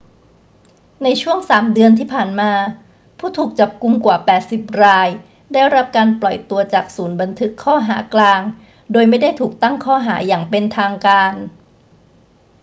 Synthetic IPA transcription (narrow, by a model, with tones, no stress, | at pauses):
na˧jt͡ɕʰu˥˩əŋsaː˩˦mdɯ˧ənt̪ʰiː˥˩pʰaː˨˩nmaː˧ | pʰuː˥˩t̪ʰuː˨˩k̚t͡ɕa˨˩p̚ku˧mkwaː˨˩pɛː˨˩t̪̚si˨˩p̚ɾaː˧j | daː˥˩jɾa˦˥p̚kaː˧nplɔ˨˩jt̪u˧ɐt͡ɕaː˨˩k̚suː˩˦nba˧nt̪ʰɯ˦˥kʰːɔː˥˩ɦa̰ː˩˦klaː˧ŋ | doː˧jma˥˩jda˥˩jt̪ʰuː˨˩k̚t̪a˥˩ŋkʰɔː˥˩ɦaː˩˦jaː˨˩ŋpe˧nt̪ʰaː˧ŋkaː˧n